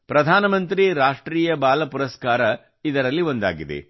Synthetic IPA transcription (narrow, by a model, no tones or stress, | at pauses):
pɾɐd̪ʱaːnɐmɐnt̪ɾiɾaːʂʈɾiːjɐbaːlɐpuɾɐskaːɾɐ | id̪ɐɾɐlːio̞nd̪a̰ːɡid̪ḛ